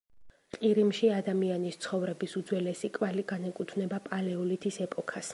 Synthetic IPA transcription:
qʼiɾimʃiad̪amianist̪sʰχɔvɾɛbisud̪zwɛlɛsikʼvaliɡanɛkʼut̪ʰvnɛbapʼalɛulit̪ʰisɛpʼɔkʰas

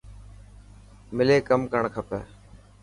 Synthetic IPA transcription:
mɪleːkəmkəɳkʰəpə

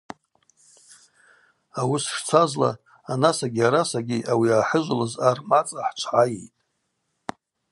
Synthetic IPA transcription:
awʊsʂt͡sʷʰazla̰ː | nasaɡʲiaɾasaɡʲiʔawiaːħəʒʷlɨzarmat͡sʼaħt͡ʃʷʰʕajḛjtʼ

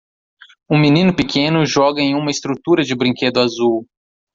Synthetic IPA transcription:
ũminĩnʊpikʰẽnʊʒɔɡɐẽj̃ũmɐɪst̪ɾut̪uɾɐd͡ʒɪbɾĩked̪ʊazuw

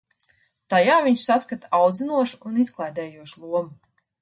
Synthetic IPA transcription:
t̪ajaːviɲʃsaskat̪aawd̪zinuɔʃuunisklˠajd̪ɛːjuɔʃlˠuɔmu

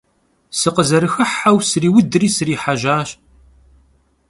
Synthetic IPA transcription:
səqəzəɾəxəħːawsɾiwəd̪ɾisɾiħaʒaːʃ

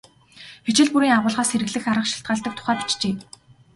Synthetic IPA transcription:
pit͡ɕɪ̆ɮpuɾiːŋaʁʊːɮʁaːsxeɾɘ̆ɣɮɘ̆xaɾə̆χʃi̥ɬt̪ɢaːɮt̪ə̆k̚t̪ʰʊ̥χæːpi̥t͡ɕt͡ɕeː

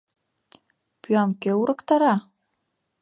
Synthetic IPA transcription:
pyɑmkeuɾʔɤkt̪ɑɾɑ

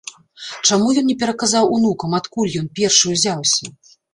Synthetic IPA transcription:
t͡ʂamujɔnːʲɛpʲɛɾɐkazawunukɐmat̪kulʲjɔnpʲɛrʂɨjuzʲawsʲɐ

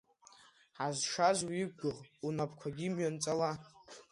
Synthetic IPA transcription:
ħazʂazwiɡɡʷʊʁunapʰkʷʰaɡʲimɥant͡sʼala

